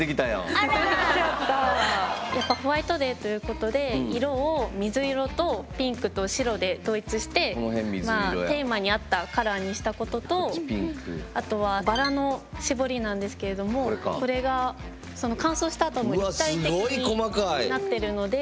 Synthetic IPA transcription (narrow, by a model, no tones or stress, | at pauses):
ekʲit̪ajã̰oaɾaajapːaɸɯ̟βait̪o̞d̪e̞t̪o̞jɯ̟ːko̞t̪o̞d̪e̞iɾo̞ːmʲizɨiɾo̞t̪o̞pʲĩŋkɯ̟t̪o̞ɕiɾo̞d̪e̞t̪o̞ːit͡sɨɕi̥t̪e̞onoɦẽmʲimaːo̰e̞ːmaɲ̟iat̪ːakaɾaːɲ̟iɕi̥t̪ako̞t̪o̞t̪o̞pʲiŋkɯat̪o̞βabaɾano̞ɕibo̞ɾʲinãnd̪e̞sɨ̥ke̞ɾe̞d̪o̞mo̞kko̞ɾe̞ɡa | so̞no̞kãɰ̃so̞ːɕi̥t̪aːt̪omoiat̪ːaieɡoiiɲikomakainat̪ːe̞ɾɯ̟no̞d̪e̞